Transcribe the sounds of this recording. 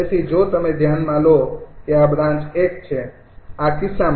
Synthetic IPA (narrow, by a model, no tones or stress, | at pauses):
esid͡ʒot̪əmed̪ʱjanmãlokeabɾãnt͡ʃekt͡ʃʰɛ | akisːam